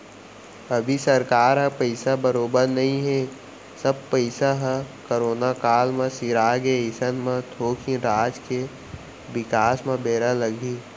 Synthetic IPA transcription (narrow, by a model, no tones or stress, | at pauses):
ɐbʱisɐɾkaːɾɦɛ̃pəɪsabɐɾoːbəɾnɐɦĩɦeː | sɐb̚pəɪsaɦɛ̃koːɾoːnakaːlmẽsiɾaːɡeɪsənmẽt̪ʰoːkʰĩɾaːd͡ʒke | ʋɪkaːsmẽbeːɾalɐɡʱiː